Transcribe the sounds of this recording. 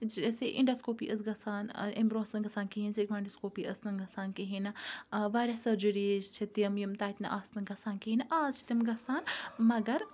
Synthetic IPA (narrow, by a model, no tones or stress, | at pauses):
d͡ʒseʔḭɳɖɐskoːpḭʔɐsɡɐsaːn̰embɾoːsnɐnɡɐsaːnkiɦinsekʋaːiɳɖɐskoːpiʔɐsnɐnɡɐsaːnkiɦinɐʋaːɾʲasɐɾd͡ʒuɾid͡ʒt͡ʃʰit̪mjimt̪aːt̪nɐ̰ʔaːsnɨɡɐsaːnkiɦinʔaːzt͡ʃʰi̥t̪imɡɐsaːnmɐɡɐɾ